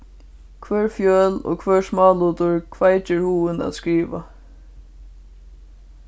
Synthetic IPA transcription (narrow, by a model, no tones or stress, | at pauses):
kʰvɛːɹfjœːlɔ̰kʰvɛːɹsmɑːluːt̪ʊɹkʰvaːjt͡ʃɛɹhuːɪna̰t̪skɹiːʋa